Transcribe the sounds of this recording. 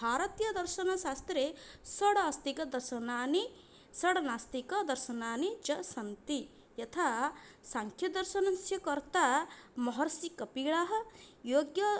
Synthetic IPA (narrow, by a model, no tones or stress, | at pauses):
bʱaːɾɐt̪jɐd̪ɐɾʃɐnɐʃaːst̪ɾesɐɽast̪ikɐd̪ɐɾʃɐnaːni | sɐɽɐnaːst̪ikɐd̪ɐɾʃɐnaːnid͡ʒɐsɐnt̪i | jɐt̪ʰa | saŋkʰjɐd̪ɐɾʃɐnɐnsjɐkɐɾt̪amɔɦɐɾsikɐpiːɭaːɦɐjoːɡjɐ